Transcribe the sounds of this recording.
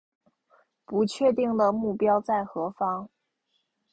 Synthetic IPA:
pu˧˥t͡ɕʰɥɛ˥˧t̪i˥˩ŋlə˨mu˥˩pjɑ˥ʊt͡sa˥˩ɪxɤ˧˥fɑ˥ŋ

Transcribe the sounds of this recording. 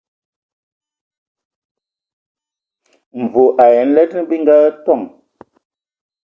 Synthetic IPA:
m˨vo˨ʔa˨jɛ˨˦n̩˦lɛ˦t̚nə˦bi˦ŋ˦ɡa˦tɔ˦˨ŋ

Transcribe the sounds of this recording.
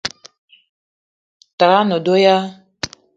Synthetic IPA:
ta˨ɾa˦no˨do˦ja˦

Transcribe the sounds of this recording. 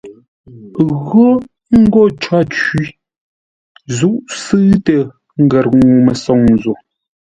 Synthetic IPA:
ɣo˦ | ŋ̩˦ɡɔ˦˨t͡ʃwa˦t͡ʃi˦ | zu˦ʔsɨ˦tə˨ | ŋ̩˦ɡɛ˨ɾŋu˨mə˨sɔ˨ŋn˨zo˨

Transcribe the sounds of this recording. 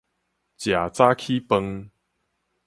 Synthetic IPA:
t͡ɕja˨˩t͡sa˦kʰi˦pə˧ŋ

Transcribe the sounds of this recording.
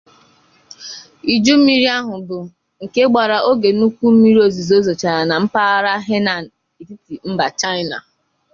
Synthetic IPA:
i˨d͡ʒu˦m̩˦mi˦ɾi˦a˦ɦʊ˨bʊ˨ | ŋ̩˨ke˦ɡ͡ba˨ɾa˨ʔo˦ɡe˨nu˦kʷu˦m̩˦mi˦ɾi˦o˨zi˨zo˦zo˨t͡ʃa˨ɾa˨na˨m̩˦pa˦a˦ɾa˦ɦe˦na˨ | i˨ti˦ti˨m̩˦ba˨t͡ʃa˦ɪ˦na̰˨

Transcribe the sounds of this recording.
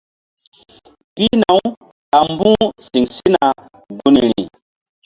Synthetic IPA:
ki˦na˨w | a˨mbũ˦si˨ŋsi˦na˨ | ɡu˦ni˨ɾḭ˨

